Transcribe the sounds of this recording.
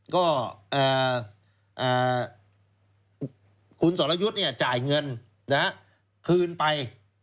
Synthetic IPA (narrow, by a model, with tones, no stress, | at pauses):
kɔː˥˩ʔaː˨˩ | ʔaː˨˩ | kʰu˧nsɔː˩˦la˧ju˦˥t̪̚ni˥˩ɐt͡ɕaː˨˩jŋɤ˧n | na˦˥ha˦˥ʔ | kʰɯː˧npa˧j